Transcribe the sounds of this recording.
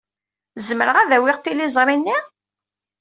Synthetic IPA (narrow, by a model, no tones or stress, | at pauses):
zməɾəʁæðæwɪʁt̪ːilizˤɾˤinːi